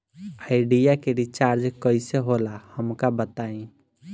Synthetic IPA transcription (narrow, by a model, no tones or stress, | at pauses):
aːɪɖijakeɾit͡ʃaɾd͡ʒkəiseɦolahəmkabət̪aĩ